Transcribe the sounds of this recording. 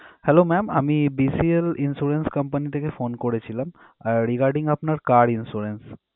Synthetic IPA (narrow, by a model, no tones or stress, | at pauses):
hɛlomɛma̰mibisielinsuɾenskəmpanit̪ʰekefonkoɾet͡ɕʰilam | aɾɾiɡaɾɖiŋapnaɾkaɾinsuɾens